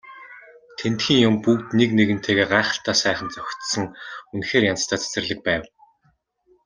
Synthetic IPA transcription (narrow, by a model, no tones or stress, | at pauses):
t̪ʰent̪xʲiːŋjʊmpukt̪nekneɣɘ̆n̥t̪ʰeːɣeːɢaːχə̆ɬt̪ʰaːsæːχə̆nt͡sœxʲt̪sə̆ŋunxeːrjant͡st̪ʰaːt͡sʰæ̥sɘ̆rɮɘ̆k̚pæːw